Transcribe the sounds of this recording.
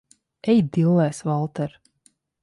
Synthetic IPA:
ɛjd̪ilˠːɛːsvalˠt̪ɛɾ

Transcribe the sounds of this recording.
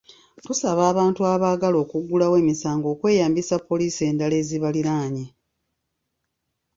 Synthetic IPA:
tusaβaːβaːntuaβaːɡalo̞ːkuɡulawe̞ːmisaːŋɡo̞ːkwe̞ːjaːmbisapːo̞liːsie̞ːndale̞ːziβaliɾaːɲe

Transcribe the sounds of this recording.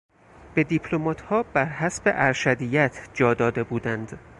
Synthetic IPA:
b̥e̞d̪ipʰlomɒːt̪ʰhɒːbæɾɦæsbe̞̰ʔæɾʃæd̪ijæt̪ʰd͡ʒɒːd̪ɒːd̪e̞buːd̪ænd̪

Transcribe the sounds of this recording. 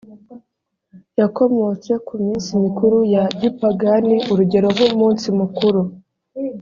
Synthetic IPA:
jako̞mo̞t͡se̞kumiːnsimikuɾujaɟipaɡaniʔuɾuɟe̞ɾo̞ɦomuːnsimukuɾu

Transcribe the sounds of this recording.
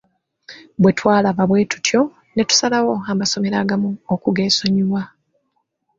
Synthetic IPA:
bwe̞twaːlaβaβwe̞ːtu̥tʰjo̞ | ne̞tu̥salawo̞amaso̞me̞ɾaːɡamuokuɡe̞ːso̞ɲiβwa

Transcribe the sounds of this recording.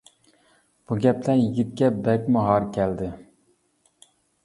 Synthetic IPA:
b̥uɡʲɛplæɾjiɡʲit̪̚kʲɛbɛkʲmɑɦɑɾkʲʰɛld̪ɪ

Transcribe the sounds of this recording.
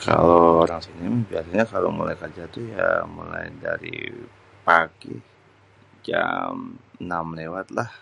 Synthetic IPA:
kalooɾaŋsinimabiasaɲakalomulajkərd͡ʒat̪ujamulajdaɾḭ | paki | d͡ʒamnamlewat̪̚lah

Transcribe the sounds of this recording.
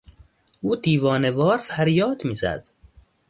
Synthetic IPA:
uːd̪iːvɒːnevɒːɾfæɾjɒːd̪miːzæ̰d̪̥

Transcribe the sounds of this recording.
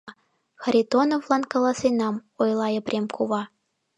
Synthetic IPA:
xɑɾʲit̪onovlˠɑnkɑlˠɑsenɑmojlˠɑjɤ̆prʲemkuβɑ

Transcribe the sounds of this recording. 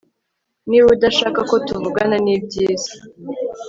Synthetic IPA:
niwudaʃaːkako̞tuvuɡananibɟiːzḁ

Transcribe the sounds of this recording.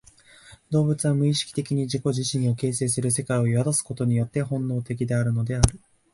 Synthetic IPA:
d̪o̞ːbɯ̟t͡sɨβamɯ̟iɕi̥kʲi̥t̪e̞kʲiɲ̟iʑiko̞ʑiɕĩɰ̃o̞ke̞ːs̬e̞ːs̬ɨɾɯ̟se̞kaio̞iβad̪asɨ̥ko̞t̪o̞ɲ̟ijo̞t̪ːe̞hõ̞nːo̞ːt̪e̞kʲid̪e̞aɾɯ̟no̞d̪e̞aɾɯ̟

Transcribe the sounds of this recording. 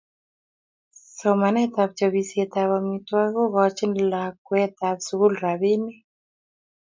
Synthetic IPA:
sɔmanɛt̪aβt͡ʃɔβisiɛt̪aβamitwaɣɔɣɔt͡ʃinlakwɛt̪aβsuɣulɾaβini

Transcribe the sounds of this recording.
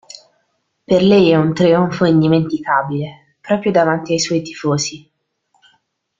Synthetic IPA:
perlɛjɛunt̪ɾiuɱfoind̪iment̪ikaːbile | pɾɔːpɾjod̪avant̪iajswɔːjt̪i̥foːzi

